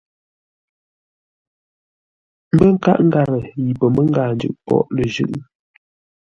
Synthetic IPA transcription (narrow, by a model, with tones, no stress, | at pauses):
m̩˦bə˦ŋ̩˦ka̰˦ʔŋ̩˦ɡa˨ɣə˨ji˨pə˨mə˦ŋ˦ɡaː˨nd͡ʒʉ̰˨ʔpɔ̰˦˨ʔlə˨ʒʉ̰˦˨ʔ